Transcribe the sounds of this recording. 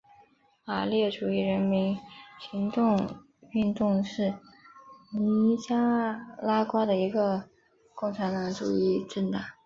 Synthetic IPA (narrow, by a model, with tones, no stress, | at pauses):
a˨˩ljɛ˥˩ʈ͡ʂu˨˩i˥˩ɻə˧˥nmi˧˥nɕi˧˥ŋt̪ʊ˥˧ŋ | y˥˧nt̪ʊ˥˧ŋʂɻ̩˥˩ | ni˧i˧˥t͡ɕja˥la˥kwa˥d̪ə˨i˧˥ɡə˧ | kʊ˥˩ŋʈ͡ʂʰa˧˥nt̪ɑ˧˥ŋʈ͡ʂu˨˩i˥˩ʈ͡ʂə˥˧nt̪a˥˩ŋ